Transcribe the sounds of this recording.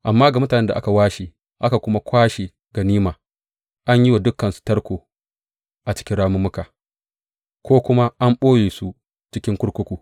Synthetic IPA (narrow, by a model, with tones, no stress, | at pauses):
ʔa˨mːaː˦ɡa˨mʊ˦taː˨nɛ˦nda˨ʔa̰˦ka˨waː˦ʃi˨ | ʔa˦ka˨kʷʊ˦ma˦kʷaː˦ʃi˨ | ɡ̥a˨niː˦maː˨ | ʔa˦ɲji˦wa˨dʊ˦kːɐ˨nsu̥˨tɐ˦ɽkʷoː˨ | ʔa˨t͡ʃɪ̥˦kʲɪ˦nɽaː˦mʊ˦mːʊ˦kaː˨ | kʷoː˦kʷʊ˦ma˦ʔa˦mɓoː˦jeː˨su˦ | t͡ʃɪ˦kʲɪ˦ŋkʷʊ˦ɽkʷʊ˦kʷuː˨